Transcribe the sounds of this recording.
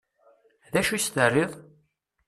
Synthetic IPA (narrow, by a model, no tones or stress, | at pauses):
ðæʃust̪ərːiðˤ